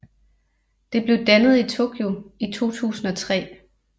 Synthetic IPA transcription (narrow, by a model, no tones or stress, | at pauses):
d̥e̝b̥le̝ʊd̥ænəð̞̩ˠit͡sʰo̝ːkʰjoit͡sʰo̝̰ːt͡sʰṵːsn̩ɒ̽t͡sʰʁɛ̰ː